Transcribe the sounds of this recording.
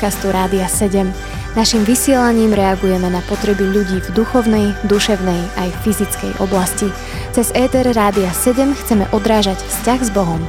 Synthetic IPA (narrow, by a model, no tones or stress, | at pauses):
kast̪uɾaːd̪iasɛɟɛm | naʃimʋisɪɛlaɲiːmɾɛaɡujɛmɛnapɔt̪ɾɛbiʎuɟiːvd̪uxɔʊnɛjd̪uʃɛʊnɛjajffizit͡skɛ̰jʔɔ̰blasci | t͡sɛzɛːt̪ɛɾːaːd̪iasɛɟɛmxt͡sɛmɛ̰ʔɔd̪ɾaːʒacfscaɣzbɔɦɔm